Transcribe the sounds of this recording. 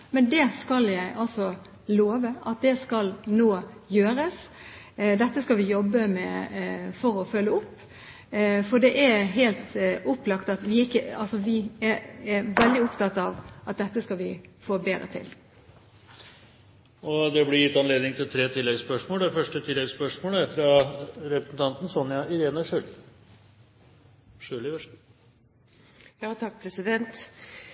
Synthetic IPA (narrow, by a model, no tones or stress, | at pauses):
mɛnd̪ɛskɑljæɪʔɑlsɔ | loːʋəʔɑt̪̚d̪ɛskɑlnoːjøːɾəs | d̪ɛt̪ːəskɑlʋɪjɔbːəmɛfɔɾɔfœlːəʊpː | fɔd̪ɛʔæɾɦelt̪ʊpːlɑkt̪ɑt̪ʋɪɪkːəɑ̰lsɔʋɪæɾæɾʋɛld̪ɪʊpt̪ʰɑt̪ːɑʋʔɑt̪̚d̪ɛt̪ːəskɑlʋɪfoːbeːɾə̰t̪ʰɪ̰l | ɔd̪ɛblɪɾjɪt̪ːɑnleːd̪ɪŋt̪ʰɪlt̪ʰɾeːt̪ʰɪlːɛɡspœʂmoːld̪æfœʂʈət̪ʰɪlːɛɡspœʂmoːləæɾfɾɑɾɛpɾəsn̩t̪ʰɑnt̪n̩sɔnjɑɪɾeːnəʂʉːl | ʂøːlɪʋ | jɑːt̪ʰɑk̚ːpʰɾɛsɪd̪ɛnt̪